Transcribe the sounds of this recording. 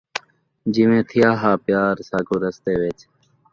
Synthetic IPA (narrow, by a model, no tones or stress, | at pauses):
d͡ʑimẽːt̪ʰijaːɦaːpjaːɾsaːɡoːɾəst̪eːʋet͡ʃ